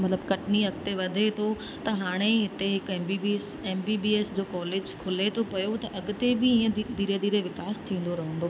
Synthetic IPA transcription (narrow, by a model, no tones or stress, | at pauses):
mɐt̪ləbkɐʈɪniɐk̚t̪eʋɐd̪ʱet̪ʰo | t̪ɐɦaːɽ̃eɦɪt̪eɦɪkɛːmbiːbiseːmbiːbiːeːsd͡ʑoːkɔːleːd͡ʑkʰʊlet̪ʰopɐjot̪ɐʔɐɠʊt̪ebɪiːə̃d̪ʱiːɾed̪iːɾeʋɪkaːst̪ʰĩːn̆d̪oɾɐɦə̃nd̪oː